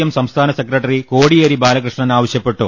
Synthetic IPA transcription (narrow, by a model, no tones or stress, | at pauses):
ɐmsɐmst̪ʰaːnɐsekrɐʈːɐrikoːɽijeːɾibaːlɐkrɨʂɳɐnaːʋɐɕjɐpːe̞ʈːu